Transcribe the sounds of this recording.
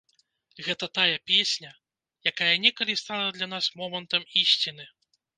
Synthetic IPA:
ɣɛt̪ɐt̪ajɐpʲesʲnʲɐ | jakajɐnʲɛkɐlʲist̪alˠɐd̪lʲanasmɔmɐnt̪ɐmisʲt͡sʲinɨ

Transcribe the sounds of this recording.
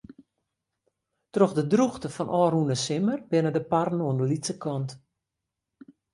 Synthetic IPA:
trɔxdədruxtəfɔnʔɔːrunəsɪmərbɪnədəparn̩oəndəlisəkɔnt

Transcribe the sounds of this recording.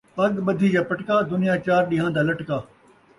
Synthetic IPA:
pɐɡɓɐd̪ʱid͡ʑaːpɐʈkaːd̪ʊnɪjaːt͡ɕaːɾɗiɦãːnd̪aːlɐʈkaː

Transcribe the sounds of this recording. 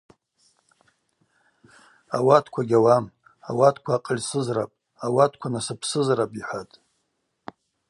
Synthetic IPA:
a̰watʰkʷʰaɡʲawam | a̰watʰkʷʰaːqʼəlʲsɨzra̰pʼ | awatʰkʷʰanasɨpʰsɨzrapʼiħʷatʼ

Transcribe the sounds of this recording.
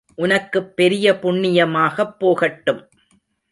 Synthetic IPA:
ʔʊnɐkːɯpːɛɾɪjɐpʊɳːɪjɐmaːɣɐpːoːɣɐʈːɯm

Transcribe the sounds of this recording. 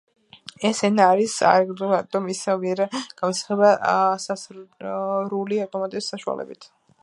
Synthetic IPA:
ɛsɛnaɾisa̰ɾɡɾd̪uat̪ʼɔmisaviɛɾɛɡ̥amɔsḁχɛbasaz | ɾuliaft̪ʼɔmat̪ʼɛisːaʃua̰lɛ̰bit̪ʰ

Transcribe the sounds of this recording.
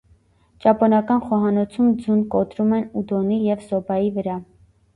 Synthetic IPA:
t͡ʃɑpɔnɑkɑnχɔɦɑnɔt͡sʰumd͡zunkɔt̪ɾumɛnud̪ɔnijɛvsɔbɑjivəɾɑ

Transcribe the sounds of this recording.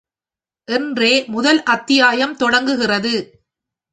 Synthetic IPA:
ʔɛndreːmʊðɐlʔɐt̪ːɪjaːjɐmt̪ɔɽɐŋɡɯɣɪrɐðɯ

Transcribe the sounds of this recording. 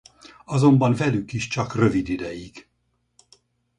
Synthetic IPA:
ɒzo̞mbɒɱvɛlykiʃt͡ʃɒkrøvid̪id̪ɛjiɡ

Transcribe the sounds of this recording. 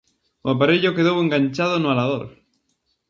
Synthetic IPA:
oap̬aɾeʎʊkeðoweŋɡaɲt͡ʃað̞ʊnʊalaðoɾ

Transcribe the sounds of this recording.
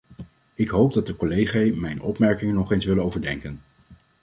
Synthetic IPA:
ɪkɦowb̚dɑt̚dəkɔlejχajmɛjnɔpmɛɹkɪŋənɔχejnsʋɪlənowvəɹdɛŋkən

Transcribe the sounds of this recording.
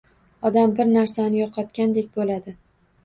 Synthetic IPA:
ɒd̪ambɪɾnaɾsanɪjɒqʰɑt̪kʲand̪ek̚ʲbolad̪ɪ

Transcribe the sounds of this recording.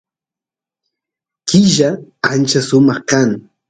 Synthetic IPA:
kɪʒaant͡ʃasʊmɑχkaŋ

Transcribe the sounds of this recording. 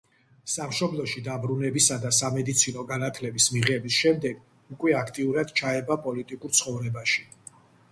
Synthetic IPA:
samʃɔblˠɔʃid̪abɾunɛbisad̪asamɛd̪it̪sʰinɔɡanat̪ʰlɛbismiʁɛbisʃɛmd̪ɛɡ | ukʼwɛakʰt̪ʼiuɾad̪̥t͡ʃʰaɛbapʼɔlit̪ʼikʼuɾt̪sʰχɔvɾɛbaʃi̥

